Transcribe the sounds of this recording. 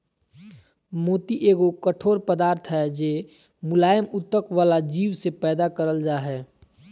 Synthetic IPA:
moːt̪iʔeːɡokəʈʰoːɾpəd̪aːɾt̪ʰɦɛd͡ʒeː | mʊlaːjəmʊt̪ːəkʋaːlad͡ʒiːʋsepɛːd̪akəɾəld͡ʒaːɦɛː

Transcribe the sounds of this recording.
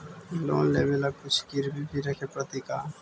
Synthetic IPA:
lo̰ːnleːbelakʊt͡ʃʰkiɾbʱibʰʱiɾɐkʰepɾət̪ikaː

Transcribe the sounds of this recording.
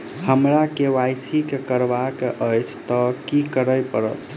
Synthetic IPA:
həmɾakeʋajsikekəɾbakeʔəjt͡ʃʰt̪ɔkikəɾəjpəɾə̰t̪

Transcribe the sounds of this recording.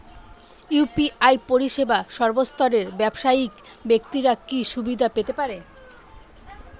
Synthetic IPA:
jupiʔajpoɾiʃebaʃɔɾbost̪ʰɔɾeɾbɛbʃaik | bekt̪iɾakiʃubid̪ʱapet̪epaɾe

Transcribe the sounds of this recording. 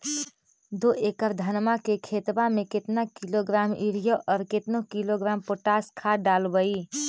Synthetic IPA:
d̪oːʔekəɾd̪ʱɐnmakekʰeːt̪bamẽkɪt̪nakiloɡɾaːmiɾijoʔɔːɾkɪt̪nokiloɡɾaːmpoːʈaːskʰaɖaːlbəi

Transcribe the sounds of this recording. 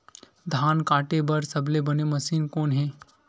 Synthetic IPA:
d̪ʱaːnkaʈebəɾsəblebəneməsiːnkoːnɦe

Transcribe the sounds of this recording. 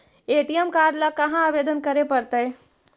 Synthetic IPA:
eʈijemkaɖlakɐɦãːbed̪ənkəɾepəɾt̪əj

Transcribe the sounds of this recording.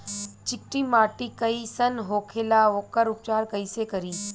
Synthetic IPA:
t͡ʃɪk̚ʈiːmaːʈikɐisɐnɦoːkʰeːlaoːkəɾʊp̚t͡ʃaːɾkɐisekɐɾiː

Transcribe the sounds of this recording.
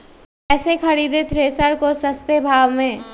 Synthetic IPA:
ɛːsekʰɐɽiːd̪et̪ʰɾeːsəɾkosəst̪ebʱaːʋmẽ

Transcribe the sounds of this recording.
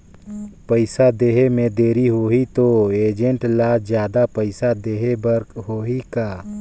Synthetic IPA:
pəɪsad̪eːɦemẽd̪eːɾiɦoːit̪oeːd͡ʒəɳʈlad͡ʒjaːd̪apəɪsad̪eːɦebəɾkɦoːɦikaː

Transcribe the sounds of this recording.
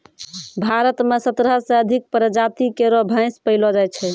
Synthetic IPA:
bʱaɾət̪mesət̪ɾɦəsẽəd̪ʱik̚pɾəd͡ʒat̪ikeɾɔbʱə̃ɪ̃spəɪlɔd͡ʒajt͡ʃʰɛ

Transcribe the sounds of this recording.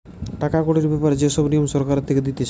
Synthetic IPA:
ʈakakoɽiɾbɛpaɾed͡ʑeʃɔbnijomʃɔɾkaɾet̪ʰːeked̪it̪e

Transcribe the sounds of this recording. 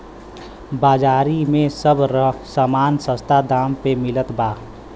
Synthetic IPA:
baːd͡ʒaːɾimẽsəbɾəsaːmaːnsə̃st̪ʰad̪aːmpemɪlət̪baː

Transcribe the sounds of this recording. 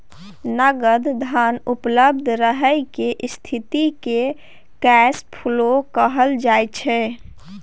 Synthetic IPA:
nəɡəd̪ʱd̪ʱanupləb̚d̪ʱɾəɦəjkeʔst̪ʰit̪ike | kɛspʰulokəɦəld͡ʒajt͡ʃʰɛ

